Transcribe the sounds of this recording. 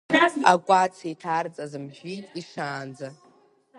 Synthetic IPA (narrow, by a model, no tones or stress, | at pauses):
akʷʼat͡sʰejtʰart͡sʼazɨmʒʷᶣitʼiʂaːnd͡za